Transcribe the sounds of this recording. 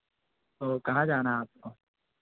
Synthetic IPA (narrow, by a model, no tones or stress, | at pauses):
t̪oːkɐɦãd͡ʒaːnaaːp̚koː